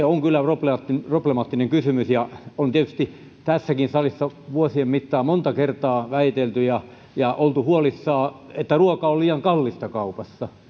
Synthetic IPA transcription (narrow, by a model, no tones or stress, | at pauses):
eoŋkylːæpropleɑt̪ːproplemɑːt̪ːineŋkysymysjɑont̪iet̪yst̪i | t̪æsːækinsɑlisːɑʋuosiemmit̪ːɑːmont̪ɑkert̪ɑːʋæit̪elt̪yjɑ | jɑʔolt̪uhuolisːɑːet̪ːæruokɑolliːjɑŋkɑlːist̪ɑkɑupɑsːɑ